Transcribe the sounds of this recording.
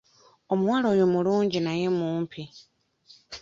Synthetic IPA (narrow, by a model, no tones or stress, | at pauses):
omuwaːlo̞ːjo̞muluːɲɟinaje̞muːmpʰi